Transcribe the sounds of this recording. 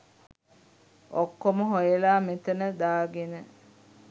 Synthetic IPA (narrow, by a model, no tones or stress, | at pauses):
okːoməɦojəlaːmet̪ənəd̪aːɡenə